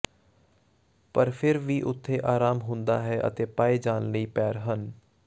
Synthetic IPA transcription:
pəɾpʰɪɾʋiːʔʊt̪ʰːeːʔaːɾaːmɦʊ̃nd̪aːɦɛːʔə̰t̪eːpaːeːd͡ʒaːnləiːpɛːɾɦən

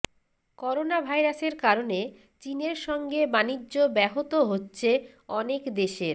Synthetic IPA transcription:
kɔɾonabʱajɾaseɾkaɾone | t͡ɕineɾʃɔŋɡebanid͡ʑʑobɛɦot̪oɦotːɕʰe | ɔnekd̪eʃeɾ

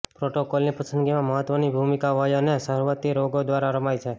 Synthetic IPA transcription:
pɾoʈokolnipəsənɡimãməɦət̪ʋənibʱumikaʋəjonesəɦɾʋət̪iɾoɡod̪ʋaɾaɾəmajt͡ʃʰe

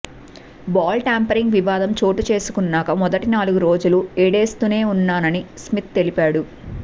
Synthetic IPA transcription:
baːlʈaːmpɐɾiŋɡʋiʋaːd̪ɐmt͡ʃo̞ːʈut͡ʃe̞ːsu̥kunːaːkɐmɔd̪ɐʈinaːluɡuɾo̞ːd͡ʒulueːɽe̞ːst̪une̞ːunːaːnɐnismit̪̚t̪e̞lipaːɽu

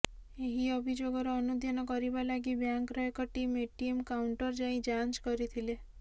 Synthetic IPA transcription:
eɦiɔbʱid͡ʒoɡɔɾɔːnud̪ʱjanɔkɔɾibalaɡibjaŋkɾɔekɔʈimeʈiemkawɳʈɔɾd͡ʒaĩd͡ʒant͡ʃkɔɾit̪ʰile

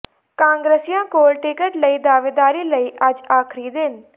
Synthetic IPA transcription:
kãːŋɡɾəsijãːkoːlʈɪkəʈləiːd̪aːʋeːd̪aːɾiːləiːʔəd͡ʒaːkʰɾiːd̪ɪn

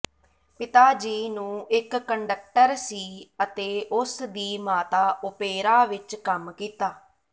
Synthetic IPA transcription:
pɪt̪aːd͡ʒiːnũːɪkːəɳɖək̚ʈəɾsiːət̪eːʔʊsd̪iːmaːt̪aːʔʊpeːɾaːʋɪt͡ʃkəmkiːt̪aː

